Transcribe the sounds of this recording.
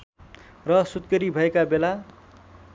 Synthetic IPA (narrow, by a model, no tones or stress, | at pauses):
rʌsut̪kʌɾibʱʌekabela